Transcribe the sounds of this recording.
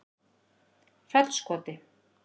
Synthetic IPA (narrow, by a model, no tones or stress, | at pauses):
fɛlskɔt̪ɪ